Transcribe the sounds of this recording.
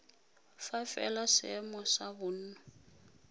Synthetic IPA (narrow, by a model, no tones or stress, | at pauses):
fafɛ̰lasɛmɔsabʊn̩nɔ